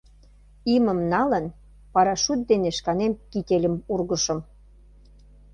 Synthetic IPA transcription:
imə̆mnɑlə̆n | pɑɾɑʃut̪̚d̪eneʃkɑnemkit̪ʲelʲə̆murɣə̆ʃɤ̆m

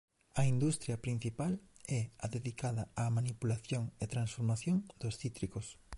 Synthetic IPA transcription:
ɐind̪ust̪ɾjɐpɾin̟θipalɛɐðeðikaðɐamanipulaθjoŋet̪ɾansfoɾmaθjoŋd̪̥osθit̪ɾikos

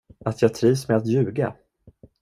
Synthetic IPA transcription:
at̪ʰjɑːɡ̚t̪ʰɾiːvsmɛat̪jʉ̟ːɡa̰

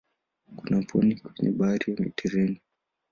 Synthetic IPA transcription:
kunapʰɔnikwɛɲɛ̰ɓaɾiɔmḭtiɾini

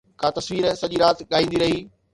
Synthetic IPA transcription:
kãːt̪ɐsʋiːɾsɐʄiɾaːt̪ɠaːɦĩːn̆d̪iɾɐɦiː

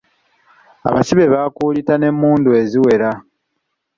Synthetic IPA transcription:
a̰βasiβe̞βaːkuːlitane̞mːuːndue̞ziwe̞ɾa

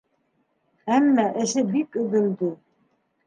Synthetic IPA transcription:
æmːæʔɘ̆ʃɘbikɵ̆ðɘ̆ld̪ɘ

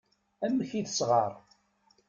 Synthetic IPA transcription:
æmːçiðəsʁɑɾˤ

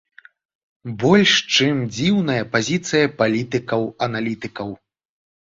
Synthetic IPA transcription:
bɔlʲʂt͡ʂɨmd͡zʲiwnɐjɐpazʲit̪sɨjɐpalʲit̪ɨkɐwɐnalʲit̪ɨkɐw

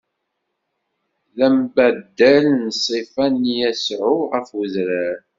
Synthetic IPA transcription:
læmbæd̪ːælnsˤifænjæsʕʊʁəfwəzɾæɾ

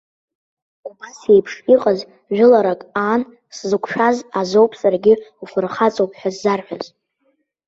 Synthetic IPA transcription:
ubase̞jpʰʂiqʼaz | ʒᶣʊlaɾakʼaːn | szɨkʷʰʃᶣazazo̞wpʰsʼarɡʲɪufɨrχat͡sʼowpʰʼħʷᶣazːarħʷᶣaz

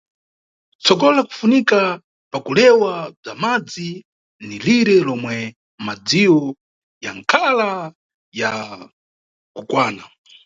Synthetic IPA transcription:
t͡sɔkɔlaku̥funika | pakulɛwab͡ʐamad͡zi | niliɾɛlɔmwɛ | mad͡ziwɔ | jaŋkʰala | ja | kukwaːna

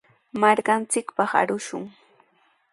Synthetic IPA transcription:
maɾkant͡sɪkpɑχa̰ɾʊʃʊŋ

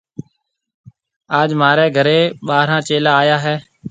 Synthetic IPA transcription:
aːd͡ʒmaːɾeːɡʱəɾeːɓaːɾãːt͡ʃeːlaːjaːɦɛː

